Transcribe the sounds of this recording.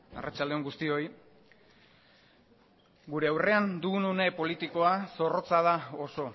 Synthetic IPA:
a̰rat͡ʃald̪e̞oŋɡust̪io̞j | ɡuɾe̞awre̞and̪uɣunune̞po̞lit̪iko̞aso̞ro̞t͡sað̞aoso̞

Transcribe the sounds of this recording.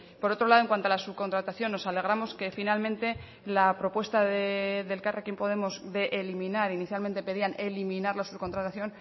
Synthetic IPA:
po̞ɾo̞t̪ɾo̞laðoeŋkwant̪oalasuβ̚kont̪ɾat̪aθjo̞nːo̞sale̞ɣ̞ɾamo̞ske̞finalmẽnt̪e̞ | lapɾo̞pwe̞st̪aðeðe̞lkareakjempo̞ðe̞mo̞zðe̞ʔelimĩnaɾiniθjalme̞nt̪e̞pe̞ðiane̞limĩnaɾlasuβko̞nt̪ɾat̪aθjo̞n

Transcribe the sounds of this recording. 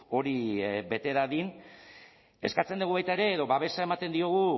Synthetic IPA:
o̞ɾibe̞t̪e̞ɾaðin | e̞skat͡se̞nd̪uɣ̞uβajt̪aeɾe̞ːðo̞βaβe̞sae̞mat̪e̞nd̪io̞ɣ̞u

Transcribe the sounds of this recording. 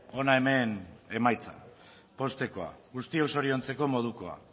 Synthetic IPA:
o̞nae̞me̞ne̞majt͡sa̰ | po̞st̪e̞ko̞a̰ɣust̪ioso̞ɾio̞nt͡se̞ko̞mo̞ð̞uko̞a̰

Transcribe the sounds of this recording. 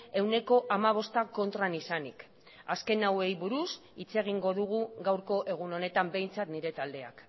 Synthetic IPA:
e̞wne̞ko̞ʔamaβ̞o̞st̪ako̞nt̪ɾanisanḭk | aske̞nawe̞jβuɾusit͡se̞ɣ̞iŋɡo̞ðuɣ̞uɡawɾko̞ʔe̞ɣ̞uno̞ne̞t̪ambe̞jnt͡sat̪niɾe̞t̪ald̪e̞a̰k

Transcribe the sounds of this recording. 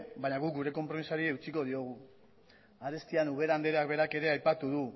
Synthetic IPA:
baɲaɣuk̚ɡuɾe̞ko̞mpɾo̞misaɾieut͡siko̞ð̞io̞ɣ̞u | aɾe̞st̪ianuβ̞e̞ɾand̪eɾeak̚βe̞ɾake̞ɾe̞ajpat̪uðu

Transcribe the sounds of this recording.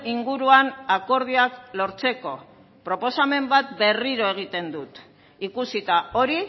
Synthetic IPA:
iŋɡuɾuanako̞ɾð̞iaklo̞ɾt͡se̞ko̞ | pɾo̞po̞same̞mbat̪be̞riɾo̞e̞ɣ̞it̪e̞nd̪ut̪ | ikusit̪ao̞ɾi

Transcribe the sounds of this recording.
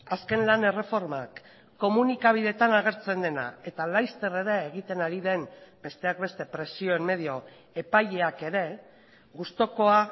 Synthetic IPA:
aske̞nlane̞re̞fo̞ɾma̰kː | o̞munikaβ̞ið̞e̞t̪anaɣ̞e̞ɾt͡se̞nd̪e̞na̰e̞t̪alajst̪e̞re̞ɾe̞ːɣ̞it̪e̞naɾiðe̞mbe̞st̪e̞ak̚be̞st̪e̞pɾe̞sio̞emme̞ð̞io̞ | e̞pajʎe̞ake̞ɾe̞ | ɣust̪o̞ko̞a

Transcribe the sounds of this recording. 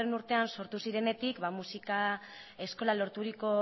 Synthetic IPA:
enuɾt̪e̞anso̞ɾt̪usiɾe̞ne̞t̪ikβamusikae̞sko̞lalo̞ɾt̪uɾiko̞

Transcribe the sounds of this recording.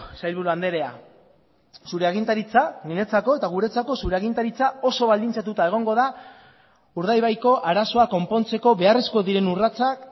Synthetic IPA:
sajlβuɾuand̪e̞ɾe̞a̰ | suɾe̞aɣint̪aɾit͡sanine̞t͡sako̞e̞t̪aɣ̞uɾe̞t͡sako̞suɾe̞aɣint̪aɾit͡sao̞so̞βald̪int͡sat̪ut̪ae̞ɣ̞o̞ŋɡo̞ða | uɾðajβajko̞ʔaɾaso̞ako̞mpo̞nt͡se̞ko̞βe̞are̞sko̞ðiɾe̞nurat͡sak

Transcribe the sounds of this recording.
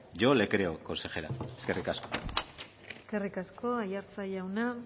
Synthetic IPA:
ʝo̞le̞kɾeokonse̞xeɾa̰eske̞rikasko̞ | eske̞rikasko̞ajaɾt͡saʎawna

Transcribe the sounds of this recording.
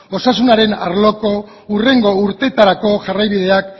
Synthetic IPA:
o̞sasunaɾe̞na̰ɾlo̞ko̞ | ure̞ŋɡo̞uɾt̪e̞t̪aɾako̞ʝarajβiðe̞ak

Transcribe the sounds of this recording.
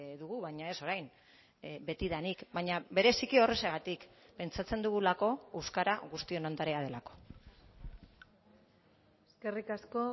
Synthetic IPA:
ðuɣuβajɲae̞so̞ɾajn | be̞t̪iðanikbajɲaβe̞ɾe̞sikio̞reseɣat̪ikpe̞nt͡sat͡se̞nd̪uɣ̞ulako̞ewskaɾaɣust̪ie̞nond̪aɾeað̞e̞lako̞̥ | eske̞rikasko

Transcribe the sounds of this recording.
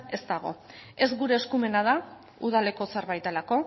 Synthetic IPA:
e̞zt̪aɣ̞o̞̰ | e̞zɡuɾe̞ːskume̞nað̞a | uð̞ale̞ko̞seɾβajt̪elako̞

